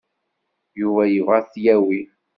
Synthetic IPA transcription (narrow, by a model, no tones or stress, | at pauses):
juvæjəvaθjæwi